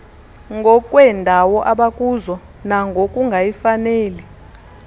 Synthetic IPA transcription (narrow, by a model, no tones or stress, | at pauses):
ŋɡʱɔkʼwɛndʱawɔʔaɓakʼuzɔ | naŋɡʱokʼuŋɡʱajifaneːli